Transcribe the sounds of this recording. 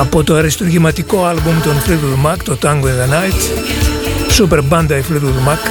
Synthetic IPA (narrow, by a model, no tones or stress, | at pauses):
ɐpot̪oɐɾist̪oɾʝimɐt̪ikoalbumt̪onflit̪ulmakt̪ot̪aŋɡoĩðɐnajt̪ | sup̬eɾband̪ɐiflut̪ulmak